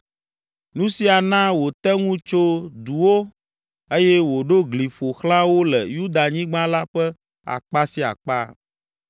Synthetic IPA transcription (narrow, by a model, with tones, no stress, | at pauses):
nũ˦si˦a˨nã˦wo˨t̪ɛ˦ŋũ˦t͡ʃo˦d̪u˨wo˦ | e˦jɛ˦wo˨ɖo˦ɡli˨ɸo˨xlã˦wo˦lɛ̰˨ju˦d̪a˨ɲĩ˦ɡ͡bã˦la˦ɸɛ˦ | a̰˨k͡pa˦si˦a̰˨k͡pa̰˦